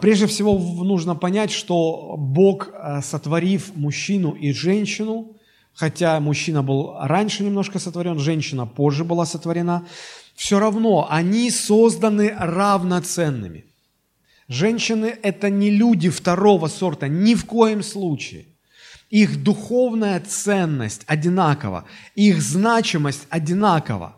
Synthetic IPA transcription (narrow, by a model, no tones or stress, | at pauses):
pɾʲe̞ʐdʲɪfsʲɪvo̞nuʐnəpɐnʲætʲʂt̪o̞bo̞kəsət̪vɐɾʲifmʊɕːinʊʔiʐɛnʲɕːɪnʊ | xɐtʲamʊɕːinəbɨlˠranʲʂɨnʲɪmno̞ʂkəsət̪vɐɾʲo̞nʐɛnʲɕːɪnəpo̞ʐːɨbɨlˠasət̪vəɾʲɪnafsʲoɾɐvno̞ʔɐnʲiso̞zd̪ənɨrɐvnɐt̪sɛnːɨ̰mʲɪ̰ | ʐɛnʲɕːɪnɨʔɛt̪ənʲɪlʲudʲɪft̪ɐɾo̞vəso̞rt̪ənʲɪfko̞jɪmslˠut͡ɕɪɪ̰ | ixd̪ʊxo̞vnəjət̪sɛnːə̰sʲtʲɐdʲɪnakə̰və̰ixznat͡ɕɪməsʲtʲɐdʲɪnakə̰və̰